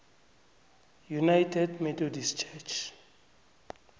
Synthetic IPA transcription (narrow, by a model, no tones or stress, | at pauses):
junajtʰɛdmɛtʰodist͡ʃʰɛt͡ʃʰ